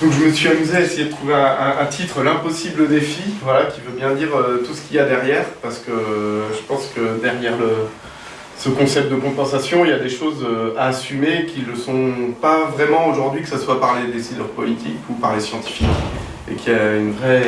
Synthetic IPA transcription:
d̪̥ɔ̃kʒəməsɥiamyzeaesejed̪ət̪χuveɛ̃ʔɛ̃t̪ʰit̪χəlɛ̃pɔsibləd̪efivwalakʲivøbjɛ̃d̪iʁøt̪usə̥kʲʰiljad̪ɛʁjɛːʁpaʁsə̥kəʒəpɑ̃skəd̪ɛʁjɛʁlə | səkɔ̃sɛp̚t̪̚d̪əkɔ̃pɑ̃sasjɔ̃iljad̪eʃozøaːsymekʲilːəsɔ̃pavʁɛmɑ̃oʒuʁd̪ɥikə̥saswapaʁled̪esid̪y̰ʁpɔ̰lit̪ʰḭkupaʁlesjɑ̃t̪i̥fik | ḛkʰʲiaynvʁɛ

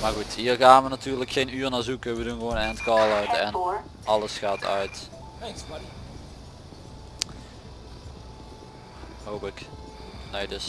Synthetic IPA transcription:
maːrɣutɦiːrɣaːnʋənatyːrləkxejnyːrnaːzukəʋədunɣəʋoːnɛntkɑːlˠœɥtɛn | ʔɑləsxaːtʰœ̰ɥt | howpɪk | neːdɵs

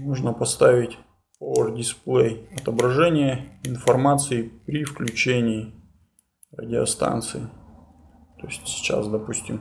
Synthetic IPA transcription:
moʐnəpɐst̪avʲɪtʲ | povərdʲɪsplˠejɐt̪əbɾɐʐɛnʲɪjəɪnfɐrmat̪sɨɪpɾʲɪfklʲʉt͡ɕenʲɪː | rə̰dʲɪɐ̰st̪a̰nt̪sɨɪ | t̪o̞ɪsʲtʲsʲɪ̥t͡ɕa̰sd̪ɐpusʲtʲɪm

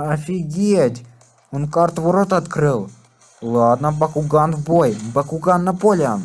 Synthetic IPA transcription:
ɐfʲiɡʲetʲ | onkart̪voɾot̪ɐt̪kɾɨlˠ | lˠad̪nəbɐkʊɡanvbojbɐkʊɡanːɐpolʲan

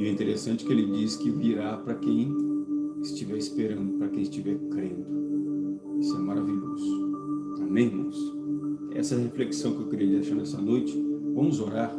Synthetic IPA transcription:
iɛĩt̪eɾesɐ̃nt͡ʃɪkɪelɪd͡ʒiskɪviɾapɾɐkẽj̃ | ɪst͡ʃivɛɾɪspeɾɐ̃nd̪ʊpɾɐkẽj̃ɪst͡ʃivɛɾkɾẽd̪ʊ | isʊɛmaɾaviʎozʊ | amẽj̃mɐ̃ʊs | ɛ̰sɐhefleksɐ̃w̃kɪewkɪɾiɐd̪eʃaɾnɛsɐnojt͡ʃɪ̥vɐ̃mʊzoɾaɾ

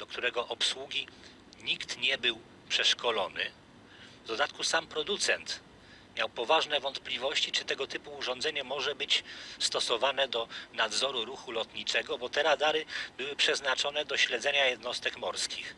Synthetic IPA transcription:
d̪̥ɔkt̪uɾɛɡɔʔɔpswuɡʲi | ɲikt̪ɲɛbɘw | pʂɛʂkʰɔlɔnɘ̰ | vd̪ɔd̪at̪kusampɾɔd̪ut̪sɛnt̪ | mʲjawpɔvaʐnɛvɔnt̪plʲivɔɕt͡ɕit͡ʂɘt̪ɛɡɔt̪ɘpuːʐɔ̃nd̪zɛɲɛmɔʐɛbɘt͡ɕst̪ɔsɔvanɛd̪ɔnad̪zɔɾuɾuxulɔt̪ɲit͡ʂɛɡɔbɔt̪ɛɾad̪aɾɘbɘwɘpʂɛznat͡ʂɔnɛd̪ɔɕlɛd̪zɛɲajɛd̪nɔst̪ɛkmɔɾskʲix

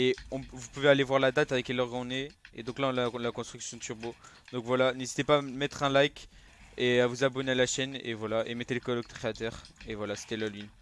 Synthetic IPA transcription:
eɔ̃vupuvealevwaʁlad̪at̪alɛkɛlɔʁɡɔ̃neḛd̪ɔ̃klaɔ̃lalakɔ̃st̪χyksjɔ̃t̪yʁbo | d̪̥ɔ̃kvwalanezit̪epamɛt̪χɛ̃lajk | eavuzabɔnealaʃɛnḛvwalaʔemɛt̪eləkɔlɔk̚d̪kχeat̪ɛʁevwalase̥t̪ɛlalɥin

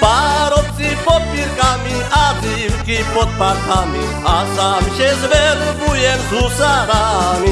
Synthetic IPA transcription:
paɾop̚t̪ipot̪̚piɾkaːmi | aːt̪iwkipot̪̚paɾt̪ʰaːmḭ | aːsaːmʃezʋelbujend̪ʱusaɾami

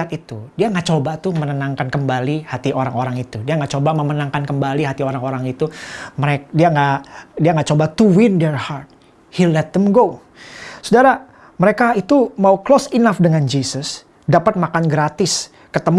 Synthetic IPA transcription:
at̪it̪udiaŋɡaʔt͡ʃobat̪ʊhmənənaŋkankəmbalihat̪iʔoɾaŋoɾaŋit̪udiaŋɡaʔt͡ʃobaməmənaŋkankəmbaliɦat̪ioɾaŋoɾaŋit̪uməɾediaŋadiaŋɡaʔt͡ʃobat̪uwɪndɛrhart̪̚ | hilɛt̪̚d̪əmɡo | sudaɾa | məɾekait̪umauklosinafdəŋand͡ʒisəs | dapat̪̚makanɡɾat̪ɪs | kət̪əm

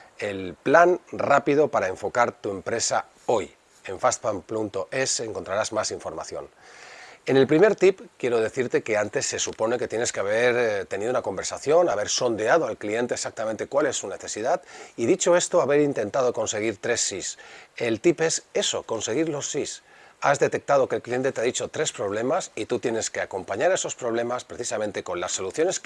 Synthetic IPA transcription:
e̞lplanrapið̞o̞paɾaeɱfo̞kaɾt̪ue̞mpɾe̞sa̰ | o̞j | e̞ɱfast̪pampunt̪o̞ʔe̞seŋko̞nt̪ɾaɾazmasiɱfo̞ɾma̰θjo̞̰n | e̞ne̞lpɾime̞ɾt̪ipkje̞ɾo̞ð̞e̞θiɾt̪e̞ke̞ant̪e̞sːe̞supo̞ne̞ket̪je̞ne̞skeaβ̞e̞ɾt̪enið̞unako̞mbe̞ɾsaθjo̞naβ̞e̞ɾso̞nd̪eað̞o̞alklie̞nt̪eeksak̚t̪amẽnt̪e̞kwale̞sːune̞θe̞siðat̪iðit͡ʃo̞e̞st̪oaβe̞ɾint̪e̞nt̪aðo̞ko̞nse̞ɣ̞iɾt̪ɾe̞sːise̞lt̪ipe̞se̞so̞̰ko̞nse̞ɣ̞iɾlo̞sːis | azðe̞t̪e̞k̚t̪að̞o̞kelklije̞nt̪et̪eaðit͡ʃo̞t̪ɾe̞spɾo̞β̞le̞masit̪ut̪je̞ne̞ske̞ako̞mpaɲaɾe̞so̞spɾo̞βle̞maspɾe̞θisamẽnt̪e̞ko̞nlasːo̞luθjo̞ne̞s

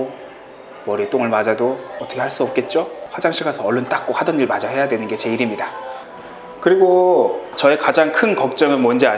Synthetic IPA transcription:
o | mʌɾit͈oŋɯɭmad͡ʑadoʌtʰʌkʰeaɭs͈uʌp̚k͈e̞t̚t͡ɕ͈oɸwad͡ʑaŋɕʰiɡasʰʌʌɭːont͈ak̚k͈ohadʌniɭmad͡ʑahe̞jadwe̞nɯnɡe̞t͡ɕe̞iɾimɲida | kɯɾiɡot͡ɕʌe̞kad͡ʑaŋkʰɯnkʌk̚t͡ɕ͈ʌŋɯɭmwʌnd͡ʑia

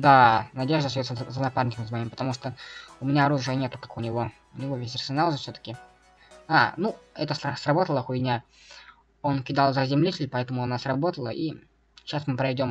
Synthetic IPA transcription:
d̪anɐdʲe̞ʐd̪əsjʲoszənɐparnʲɪkəmsmɐimpə̥t̪ɐmuʂt̪oʊmʲɪnʲaɐɾuʐɨjənʲe̞t̪ʊkḁkʊnʲɪvo̞ | ʊnʲɪvo̞vʲesʲɐrsʲɪnalˠʐəfsʲot̪ə̥kʲɪ | anuɛt̪əssrɐbo̞t̪əlˠəxʊjʲnʲa | o̞nkʲɪd̪alˠzəzʲɪmlʲitʲɪlʲpɐɛt̪əmʊɐnasrɐbo̞t̪əlˠəʔi | ɕasmɨpɾɐɪdʲo̞m

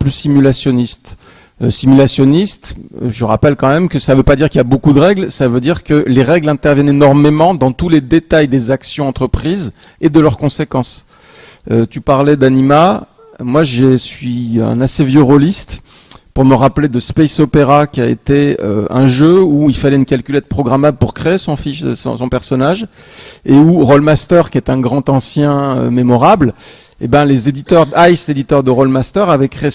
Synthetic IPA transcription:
plysimylasjɔnist̪ | øsimylasjɔnist̪ʒəʁa̰pɛlkɑ̃mɛmkəsavøpad̪iʁkiljabokud̪əʁɛɡlsavød̪iʁkəleʁɛɡlɛ̃t̪ɛʁvjɛnenɔʁmemɑ̃d̪ɑ̃t̪uled̪et̪ajd̪ezaksjɔ̃ɑ̃t̪χəpχiz | ed̪əlœʁkɔ̃sekɑ̃s | øt̪ypaʁlɛd̪anima | mwaʒesɥiɛ̰̃nasevjøʁolist̪ | puʁməʁapled̪əspɛjsopeʁakʲiaḛt̪eø̰ɛ̰̃ʒøuilfalɛynkʲalkʲylɛt̪̚pχɔɡʁamabpuʁkχeːsɔ̃fiʃsɔ̰̃sɔ̃pɛʁsɔnaʒ | euʁɔlmast̪œʁkʲiɛt̪ɛ̃ɡʁɑ̃t̪ɑ̃sjɛ̃ø̰memɔʁabl | ebjɛ̃lezed̪it̪œʁd̪ajsled̪it̪œʁd̪əʁɔlmast̪œʁavɛkχe

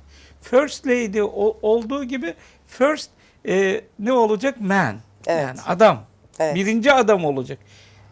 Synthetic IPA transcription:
føɾst̪lʲejd̪ɛʔoo̞lˠd̪uːɟibɪ | føɾst̪̚ː | nɛo̞lˠad͡ʒakmæn | jaːnḭa̰d̪am | eɛbiɾind͡ʒiad̪amo̞lˠad͡ʒak

